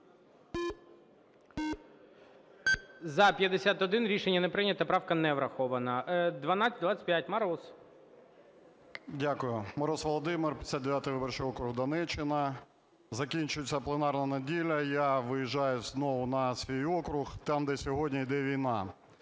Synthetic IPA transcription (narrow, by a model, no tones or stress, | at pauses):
zɐpʲjɐd̪esʲat̪ɔd̪ɪnɾʲiʃenʲːɐnepɾɪnʲɐt̪ɐpɾɑwkɐnɛʋɾɐxɔʋɐnɐd̪ʋɐnɑt͡sʲɐtd̪ʋat͡sʲːɐ̥tʲpjatʲmɐɾɔs | dʲakʊjʊmɐɾɔsʋɔlˠɔd̪ɪmɪrpʲj̥̪ʲsʲad̪d̪eʋʲjat̪ɪjʋɪbɔrt͡ʃɪjɔkɾʊɦd̪ɐnɛt͡ʃːɪnɐ | zɐkʲinʲt͡ʃʊjet͡sʲɐplˠenɑrnɐnɐdʲilʲɐjaʋɪjiʒːɑjʊznɔʋʊnɐsʲʋʲijɔkɾʊxt̪ɑmd̪ɛsʲɔɦɔdʲnʲɐid̪ɛʋʲijn̪ɑ